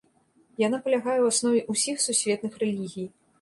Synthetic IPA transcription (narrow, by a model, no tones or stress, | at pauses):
jan̪apɐlʲaɣajɛwasnɔvʲiʔusʲixsusʲvʲɛt̪̚nɨxrɛlʲiɣʲij